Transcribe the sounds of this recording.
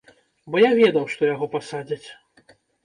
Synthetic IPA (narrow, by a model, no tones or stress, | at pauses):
bɔjavʲɛd̪ɐwʂt̪ɔjaɣɔpasad͡zʲɐt͡sʲ